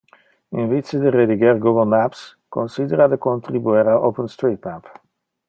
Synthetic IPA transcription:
ɪnvisədərediɡɛrɡuɡəlˠmæps | kɔnsidəɾadəkɔnt̪ribuɛɾaʔowpənstritmæp

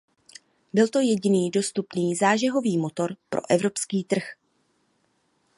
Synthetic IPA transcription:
bɪlt̪o̞jɛɟɪniːdo̞st̪upniːzaːʒɛɦo̞viːmo̞t̪o̞ɾpɾo̞̰ʔɛvɾo̞pskiːt̪r̩x

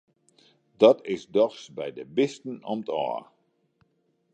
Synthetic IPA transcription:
dɔtɪsdɔxsbɛjdəbɪstən̩ɔmətʰɔ̰ːr

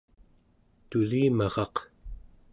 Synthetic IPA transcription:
t̪uliːmɑʁɑq

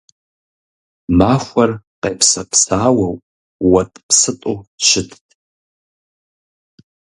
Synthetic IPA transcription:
maxʷɐrqejpʰsɐpʰsaːwɐwʼ | wɐtʼpʰsɨtʼoʃɪtʰʼtʼ

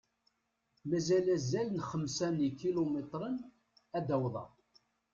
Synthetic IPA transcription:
mæzælæzːælənχəmsænikilomet̪ˤɾˤən | æd̪æwðˤɑ̰

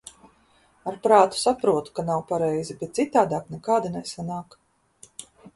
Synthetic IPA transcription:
aɾpɾaːt̪u̥sapɾuɔt̪u̥kanawpaɾɛjzibɛt̪̚sit̪aːd̪aːknɛkaːd̪inɛsanaːk

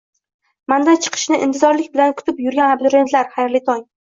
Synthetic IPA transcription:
mand̪ant͡ʃʰɨ̥qʰɨ̥ʃnɪʔɪ̰nt̪ʰɪzɒɾlɪkʲbɪlankʰʊ̥t̪ʰɪpjʊɾɡʲanablʊɾe̞nt̪ʰlaɾχajɾlɪt̪ʰɒŋ

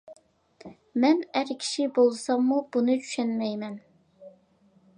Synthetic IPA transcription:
mɛnæɾkʲʰi̥ʃibolˠsɑmːub̥unɨt͡ʃʰy̥ʃɛnmɛjmɛn

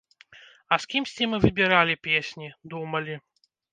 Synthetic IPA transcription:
ɐskʲimsʲt͡sʲimɨvɨbʲiɾalʲipʲesʲnʲid̪umɐlʲi

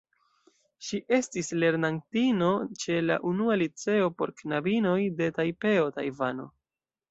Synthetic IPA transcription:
ʃiʔe̞stisle̞ɾnaŋtino̞t͡ʃe̞la̰ʔunualit͡se̞o̞po̞̰ɾknabino̞jde̞tajpe̞o̞ta̰jvano̞̰

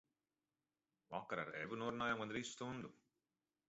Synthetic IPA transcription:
ʋaːkːɐɾa̰ɾebunoːɾnaːjaŋɡɐnd̪ɾiːst̪und̪u

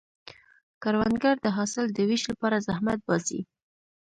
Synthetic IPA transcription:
kaɾwanɡaɾd̪əɦɑsɪld̪əwiʃlapɑɾazahmat̪̚bɑsḭ

